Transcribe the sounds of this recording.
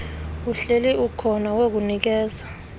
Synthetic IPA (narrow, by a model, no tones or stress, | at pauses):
uɬeliʔukʰɔnawek̬unik̬ɛːza